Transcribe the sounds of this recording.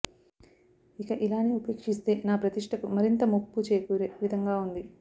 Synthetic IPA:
ikɐʔilaːnːiupeːkʂist̪e̞ːnaːpɾɐt̪iʂʈʰɐkumɐɾint̪ɐmupːut͡ʃeːkuːɾeʋid̪ʱɐŋɡaːund̪i

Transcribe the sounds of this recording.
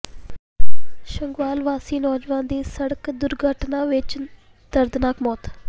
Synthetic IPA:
ʃəŋɡʋaːlʋaːsiːnɔːd͡ʒʋãːd̪iːsəɽəkd̪ʊɾɡʱəʈnãːʋɪt͡ʃ | d̪̥əɾd̪naːkmɔːt̪

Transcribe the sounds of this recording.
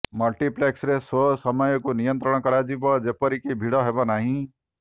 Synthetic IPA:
mɔlʈipleksɾesosɔmɔjɔkunijɔnt̪ɾɔɽ̃ɔkɔɾad͡ʒibɔd͡ʒepɔɾikibʱiɽɔɦebɔnaɦĩ

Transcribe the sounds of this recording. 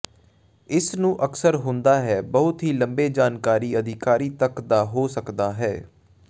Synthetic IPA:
ɪsnũːʔəksəɾɦʊ̃nd̪aːɦɛːbəɦʊt̪ɦiːləmbeːd͡ʒaːnkaːɾiːəd̪ʱɪkaːɾiːt̪əkd̪aːɦoːsəkd̪aːɦɛː

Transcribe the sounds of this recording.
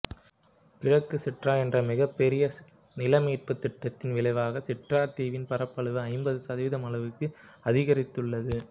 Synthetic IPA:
ɪɻɐkːɯsɪʈraːɛndrɐmɪɣɐpːɛɾɪjɐ | nɪlɐmiːrpɯt̪ːɪʈːɐt̪ːɪnʋɪɭɐɪʋaːɣɐsɪʈraːt̪iːʋɪnpɐɾɐpːɐɭɯʋɯɐɪmbɐðɯsɐðɪʋɪðɐmɐɭɐʋɯkːɯɐðɪɣɐɾɪt̪ːɯɭːɐðɯ

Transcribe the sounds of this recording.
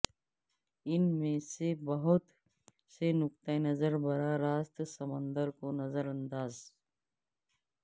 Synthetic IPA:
ɪnmẽsebəɦʊt̪ | senʊk̚t̪aenəzəɾbəɾaɾaːst̪səmə̃nd̪əɾkonəzəɾə̃nd̪aːz

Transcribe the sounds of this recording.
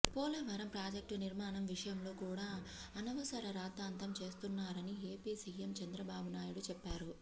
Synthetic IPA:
pɔːlɐʋɐɾɐmpɾaːd͡ʒek̚ʈuniɾmaːnɐmʋiʂɐjɐmlo̞ːkuːɽaːɐnɐʋɐsɐɾɐɾaːt̪aːnt̪ɐmt͡ʃe̞ːst̪unːaːɾɐnie̞ːpiːsiːemt͡ʃɐnd̪ɾɐbaːbunaːjuɽut͡ʃɛpːaːɾu

